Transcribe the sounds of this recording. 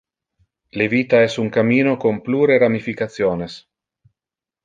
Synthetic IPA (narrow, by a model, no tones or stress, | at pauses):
leviːt̪aɛsuŋkamiːnokompluːɾeɾamifikat̪sjoːnes